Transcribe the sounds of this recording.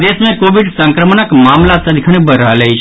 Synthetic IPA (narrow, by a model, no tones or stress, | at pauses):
d̪esmẽkoʋiɖsə̃ŋkɾəmnəkmamlasəd̪kʰəɳ̃bəɾaləjt͡ʃʰ